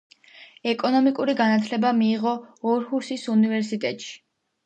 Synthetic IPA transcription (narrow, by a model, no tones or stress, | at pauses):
ɛkʼɔnɔmikʼuɾiɡanat̪ʰlɛbamiːʁɔːɾhuɾsisunivɛɾsit̪ʼɛt̪ʼʃi̥